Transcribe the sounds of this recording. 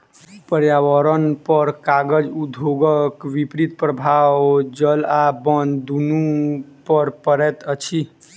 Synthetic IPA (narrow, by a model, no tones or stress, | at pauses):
pəɾjawəɾənpəɾkaɡəd͡ʒud̪ʱoɡəkʋipɾit̪̚pɾəbʱawd͡ʒəlabənd̪unupəɾpəɾɛt̪ət͡ʃʰi